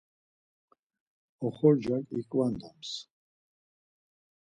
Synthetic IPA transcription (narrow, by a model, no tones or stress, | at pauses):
ɔχɔɾd͡ʒakʼikʼvand̪ams